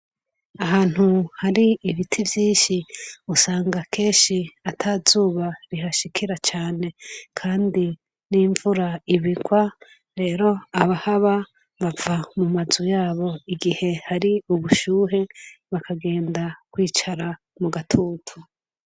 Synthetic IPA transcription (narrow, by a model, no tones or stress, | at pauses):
aɦaːn̥huhaɾiːβitʰivjiːnʃiusaːŋɡakʰe̞ːnʃiatʰazuːβaɾiɦaʃikʰiɾat͡ʃaːne̞kʰaːndi | niːɱvuɾaiβiɡwa | ɾe̞ːɾo̞aβahaβa | βavamumazujaːβo̞iɡihe̞haɾiuβuʃuːɦe̞βakʰaɡe̞ːndakwiːt͡ʃaɾa | muɡatʰuːtʰu